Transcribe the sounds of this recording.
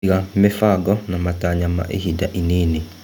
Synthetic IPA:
ɣamefaɡɔnamataɲama̰ʔḛhidaʔineːne

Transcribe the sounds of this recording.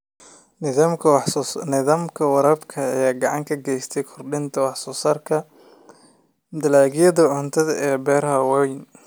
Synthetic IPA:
amkʰnɪðaːmkʰɐwɑɾɐbkʰɐːjaːɡɑʕɑŋkʰɐɡɛjst̪ʰɛjkʰɔrɖɪnt̪ʰɐwɑħsɔːsaːrkʰɐ | d̪ɐlaːɡɪjɐðɐʕʊnt̪ʰɐðɛːbɛːɾɐɦɐwɛjn

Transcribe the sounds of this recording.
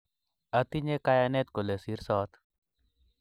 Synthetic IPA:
ɐt̪iɲekajanet̪kolesiɾsɔːt̪

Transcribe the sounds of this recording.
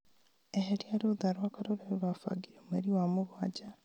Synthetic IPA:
eɦeɾiaɾoðaɾwakaɾoɾeoɾwafa̰ɡiɾemeɾiwamʊɣwad͡ʑa

